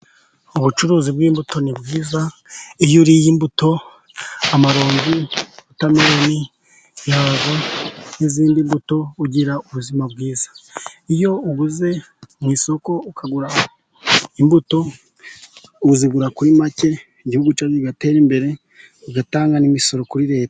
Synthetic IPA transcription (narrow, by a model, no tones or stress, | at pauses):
uβut͡ʃuɾuːzibɡiːmbuto̞nibɡiːza | ijuɾijimbuto̞ | amaɾo̞ːɲɡiβutameɾo̞ni | jaβaniziːndimbuto̞uɟiɾauβuzimabɡiːzḁijo̞uβuze̞ | mwiːso̞ko̞ukʰaɡuɾa | imbuto̞ | uziɡuɾakuɾimace̞ | iɟihuɡut͡ʃaziiɡate̞ːɾimbe̞ɾe̞ | uɡataːŋɡanimiso̞ɾo̞kuɾiɾe̞ːtḁ